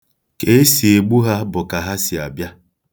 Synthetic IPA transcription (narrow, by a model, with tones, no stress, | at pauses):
ke˦si˨e˨ɡ͡bu˦ɦa˦bʊ˨ka˨ɦa˦si˨a˨bja˦